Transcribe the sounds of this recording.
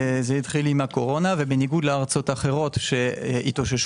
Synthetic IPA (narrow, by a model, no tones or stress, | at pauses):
zeit̪χilimhako̞ʁo̞navebeniɡud̪leaʁt͡so̞taχe̞ʁo̞t̪ʃeitoʃeʃ